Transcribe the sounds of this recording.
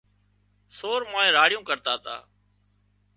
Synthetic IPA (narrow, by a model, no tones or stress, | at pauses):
soːɾmaːẽːɾaːɽɪjũːkəɾt̪aːt̪a̰ː